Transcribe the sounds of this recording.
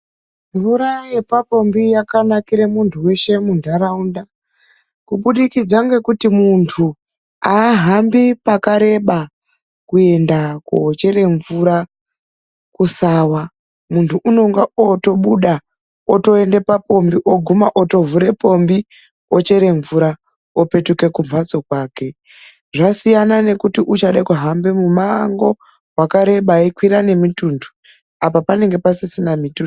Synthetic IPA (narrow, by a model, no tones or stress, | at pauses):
ɱvuɾaje̞papo̞mbijakanakiɾe̞muntʰuwe̞ʃe̞mundʱaɾaunda | kuɓuɗikid͡zaŋɡe̞kutimuntʰu | aːɦambipakaɾe̞ɓa | kue̞ndakuɦot͡ʃe̞ɾe̞ɱvuɾa | kusaːwa | muntʰuʔuno̞ŋɡaoto̞ɓuɗa | oto̞e̞nde̞papo̞mbiʔo̞ɡʱumaʔoto̞vuɾe̞po̞mbi | ot͡ʃe̞ɾe̞ɱvuɾa | ope̞tuke̞kuɱvwat͡so̞kwaːke̞ | ʐasijanane̞kutiʔut͡ʃaɗekuɦambe̞mumaŋɡo̞ | wakaɾe̞ɓaikwiɾane̞mituːndu̥ | apapane̞ŋɡe̞pasisinamitu